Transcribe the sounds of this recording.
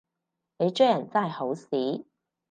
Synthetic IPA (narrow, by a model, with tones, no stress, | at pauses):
ne˨˧jt͡ʃɵ˥jɐ˨˩nt͡saː˥˩jho˨˥wsiː˨˥